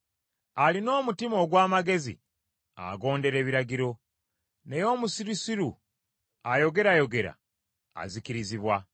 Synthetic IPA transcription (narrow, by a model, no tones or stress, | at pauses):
alino̞ːmutimo̞ːɡwaːmaɡe̞zḭ | a̰ɡo̞ːnde̞ɾe̞ːβiɾaɟiɾo̞ | ne̞jo̞ːmusiɾisiɾu | ajo̞ɡe̞ɾajo̞ɡe̞ɾa̰ | a̰zikiɾiziβwa